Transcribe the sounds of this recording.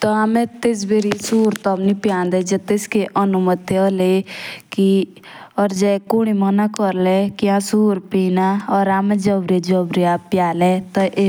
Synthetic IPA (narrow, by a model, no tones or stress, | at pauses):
t̪ɔaːmɛ̃t̪es̬beɾisuːɾt̪ɔbnipjãːnd̪ɛd͡ʒɛt̪eskeʔənʊmət̪eɔleki | ɔːɾd͡ʒɛːkoɽ̃imənakɔɾlɛkiãsuːɾpiːnaɔːɾaːmɛ̃d͡ʒɔbɾed͡ʒɔbɾeapjaːlɛt̪ɐʔe